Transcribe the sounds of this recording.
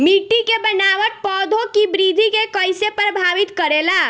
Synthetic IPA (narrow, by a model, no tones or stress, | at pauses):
miʈikebənaʋəʈ̪̚pɔd̪ʱokibɾid̪ʱikekəjsepɾəbʱaʋit̪kəɾela